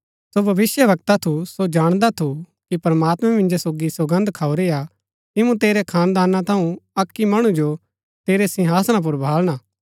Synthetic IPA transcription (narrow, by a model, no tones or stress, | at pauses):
sobʱɐʋɪsjəʋɐk̚t̪at̪ʰusod͡ʒaːɽ̃d̪at̪ʰu | kipɐɾɐmaːt̪mɛ̃mɪ̃nd͡ʒesoːɡisɐɡɐ̃nd̪ʱkʰaːoɾeja | kɪmũt̪eːɾekʰaːnd̪aːnːãt̪ʰɐ̃ũɐkːimɐɽ̃ũd͡ʒo | t̪eːɾesɪ̃ɦaːsñãp̬ʊɾbʱaːlɽ̃aː